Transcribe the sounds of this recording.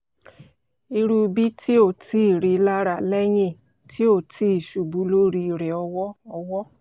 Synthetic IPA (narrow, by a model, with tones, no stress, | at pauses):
i˧ɾu˦˧bi˦tʰi˦o˦˨tʰi˦˨ɾi˧la˦ɾa˨lɛ˦ɲĩ˦˨ | tʰi˦o˦˨tʰi˧˦˨ʃu˨bu˨˧˦lo˦ɾi˧˨ɾɛ˨ɔ˧wɔ˦ɔ˧wɔ˦